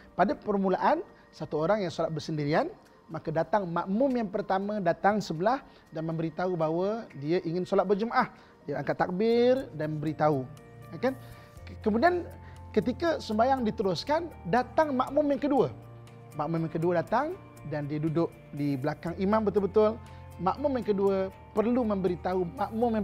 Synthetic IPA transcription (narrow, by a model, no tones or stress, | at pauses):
padapərmulaʔan | sat̪uoɾaŋjaŋsolat̪̚bərsəndiɾian | makədat̪aŋmaʔmʊmjaŋpərt̪amə̃dat̪aŋsəbəlah | danmə̃mbəɾit̪aubaɦwədiəʔiŋɪnsolat̪̚bərd͡ʒumaʔah | diəaŋkat̪ːak̚bɪrdanmə̃mbəɾit̪au | akan | kəmudiankət̪ikəsəmbajaŋdit̪əɾʊskandat̪aŋmaʔmʊmjaŋkəduə | maʔmʊmjaŋkəduədat̪aŋ | dandiədudʊk̚dibəlakaŋimambət̪ʊlbət̪ʊl | maʔmʊmjaŋkəduə | pərlumə̃mbəɾit̪aumaʔmʊmja